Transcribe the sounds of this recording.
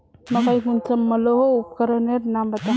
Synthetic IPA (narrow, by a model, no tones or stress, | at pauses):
məkajɦunsamːəloɦoup̚kəɾəneɾnambət̪a